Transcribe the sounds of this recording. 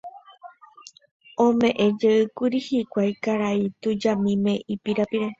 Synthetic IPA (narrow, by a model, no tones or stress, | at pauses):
õmẽ̞ʔẽ̞d͡ʒeɨkuɾihikʷajkaɾait̪ud͡ʒamĩmẽ̞ipiɾapiɾe̞